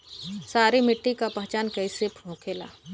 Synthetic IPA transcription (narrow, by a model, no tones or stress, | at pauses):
saːɾimɪʈːikapɐɦt͡ʃaːnkɐisepʰõːkʰeːla̰ː